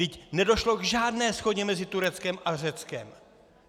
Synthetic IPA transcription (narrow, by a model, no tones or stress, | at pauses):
ɪcnɛdo̞ʃlo̞ɡʒaːdnɛːsxo̞ɟɛmɛzɪt̪uɾɛt͡skɛmʔar̝ɛt͡skɛ̰m